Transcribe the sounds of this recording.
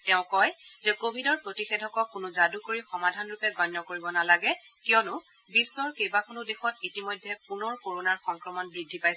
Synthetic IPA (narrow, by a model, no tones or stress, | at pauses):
tɛʊ̃kɔjzɛkobʱidɔɹpɹotixedʱɔkɔkʊnʊzadukoɹixɔmadʱanɹʊpɛɡɔnːɔkoɹibɔnalaɡɛ | kijɔnʊ | bisːɔɹkejbakʰonʊdexɔtitimɔjdʱːɛpunɔɹkoɹonaɹxɔŋkɹɔmɔnbɹidʱːipajs